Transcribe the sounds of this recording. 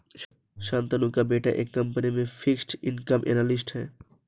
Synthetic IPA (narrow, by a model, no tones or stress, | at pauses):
ʃãːnt̪anũkabeʈaʔekːɐmpənimẽpʰiksʈinkəmʔḛnalisʈɦɛː